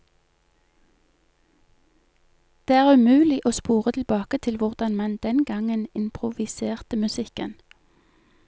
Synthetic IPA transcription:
d̪̥eːæːʁʉmʉːlɪʔoːspuːʁət̪ʰl̩bɑːkət̪ʰɪlʋʊʁd̪ɑnmɛnd̪ɛnɡɑŋənɪmpʰʁʊʋɪseːʁt̪əmʉsɪkən

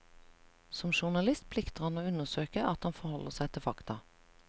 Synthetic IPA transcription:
sɔmʃʊʁnɑlɪst̪̚pʰlɪkt̪əʁhɑnoːʉnəʁsøːkəʔɑt̪hɑnfɔʁhɔləʁsæɪt̪ʰɪfɑkt̪ɑ

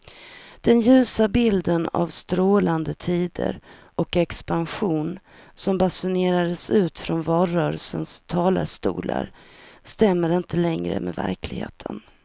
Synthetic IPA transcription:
d̪̥ɛnjʉ̟ːsabɪld̪əna̰vst̪ɾoːland̪ət̪ʰiːd̪ə̰ɾʔɔkɛkspanɧuːn | sɔmbasʊneːɾad̪əsʉ̟ːt̪fɾɔnvɑːɾœːɾəlsənst̪ʰɑːla̰ɾʂt̪ṵːlʔa̰ɾst̪ɛmːəɾɪnt̪ʰəlɛŋɾə̰mɛvæ̰ɾkʰlɪɡhḛːt̪ʰə̰n

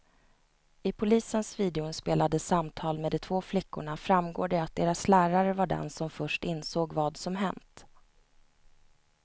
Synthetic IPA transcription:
ɪpʰʊliːsənsviːd̪ɛʊnspeːlad̪əsamt̪ʰɑːlmeːd̪ɛt̪ʰvoːflɪkːʊɳafɾamɡoːɖɛat̪̚d̪eːɾaslæːɾaɾəvaɖɛ̰nsɔmfœʂʈɪnsoːɡvɑːd̪sɔmɦɛ̰nt̪

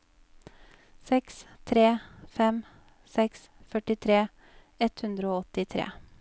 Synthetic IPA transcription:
sɛkst̪ʰɾeːfɛm | sɛks | fœʈɪt̪ʰɾeː | ɛt̪hʉnd̪ɾəoːɔt̪ɪt̪ʰɾḛː

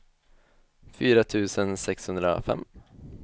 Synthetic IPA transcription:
fyːɾat̪ʰʉ̟ːsənsɛkshɵnd̪ɾa̰fɛ̰mː

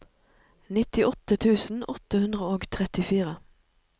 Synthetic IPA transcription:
nɪt̪ɪʔɔt̪ət̪ʰʉːsn̩ɔt̪əhʉnd̪ʁəoːɡt̪ʰʁɛt̪ɪfiːʁə

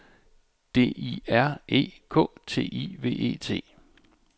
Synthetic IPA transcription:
d̥e̝̰ːiæɐ̰ʔe̝̰ːkʰɔ̰̽ːt͡sʰe̝̰ːiʋe̝̰ːʔe̝̰ːt͡sʰe̝̰ː

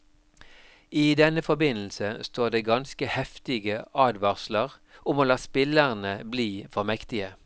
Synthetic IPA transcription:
iːd̪ɛnəfɔbɪnl̩səst̪oːʁd̪eːɡɑnskəhɛft̪ɪɡəʔɑːd̪ʋɑʁsləʁ | ʊmoːlɑːspɪləʁnəbliːfɔʁmɛkt̪ɪə

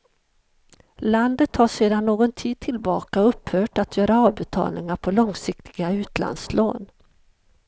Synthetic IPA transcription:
land̪ət̪ʰhaʂeːd̪anːoːɡɔnt̪ʰiːd̪̚t̪ʰɪlbɑːkaɵpːhœːʈat̪jœːɾaɑːvbɛt̪ʰɑ̰ːlnɪŋaɾpʰɔlɔŋsɪkt̪ʰɪɡaʉ̟ːt̪la̰nd̪slo̰ːn

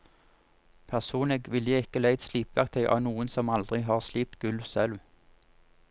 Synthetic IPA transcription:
pʰæʁsuːnəɡʋɪljəɪkəlæɪt̪sliːpʋæk̚t̪ʰɛɪʔɑ̰ːʋnuːənsɔmɑld̪ʁɪɦɑːʁsliːp̚t̪ɡ̥ʉlsɛlʋ

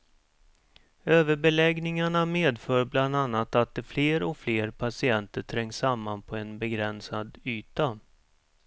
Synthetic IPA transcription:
øːvəɾbɛlɛɡnɪŋaɳameːd̪fœːɾbland̪anːat̪at̪̚d̪ɛfleːɾɔkfleːɾpʰasɪɛnt̪əʈʰɾɛŋːsːamːanpʰɔɛnbɛɡɾɛnsad̪yːt̪a

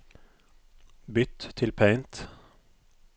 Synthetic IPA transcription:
bʏt̪ʰːɪlpʰɛɪnt̪

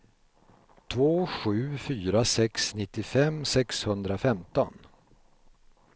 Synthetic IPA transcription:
t̪ʰvoːɧʉ̟ːfyːɾasɛksnɪt̪ːɪfɛmsɛkshɵnd̪ɾafɛmt̪ɔ̰n

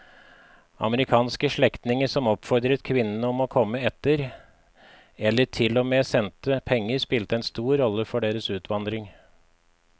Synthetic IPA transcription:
ɑ̰məɾɪkʰɑːnskəʂɭɛkt̪nɪŋəʂɔmɔpfɔɾd̪ɾət̪kʰʋɪnːənəɔmɔkʰɔmːəɛt̪ːəɾ | ɛlːəʈʰɪlːɔmeːsɛnt̪əpʰɛŋːəɾspɪlt̪əɛnst̪uːɾɾːɔlːəfɔɖeːɾəsʉːt̪ʰʋɑnd̪ɾɪŋ

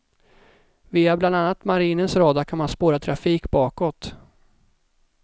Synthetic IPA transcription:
viːabland̪anːat̪maɾiːnənsɾɑːd̪akʰanmanspoːɾat̪ʰɾafiːkbɑːkɔt̪

